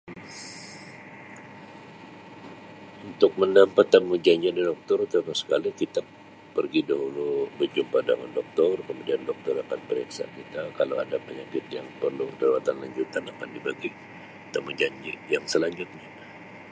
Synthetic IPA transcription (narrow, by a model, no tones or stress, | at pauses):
unt̪ʊk̚mənampat̪ːamud͡ʒaɲd͡ʒidadɔk̚t̪ɔrt̪əmasə̥kalikit̪a | pərɡidaɦulubərd͡ʒumpada̰ŋandɔk̚t̪ɔrkəmudiandɔk̚t̪ɔɾakanpəɾiksa̰kit̪akalawa̰dapəɲakɪt̪jaŋpərludəɾwat̪anlaɲd͡ʒut̪anakandibaɡi | t̪amud͡ʒaɲd͡ʒijaŋsəlaɲd͡ʒʊt̪̚ɲa